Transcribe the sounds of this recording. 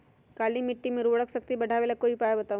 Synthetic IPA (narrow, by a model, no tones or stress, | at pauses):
kalimiʈːimẽɾoɽəksək̚t̪ibəɽ̤ʱaʋelakoipajbət̪aʋ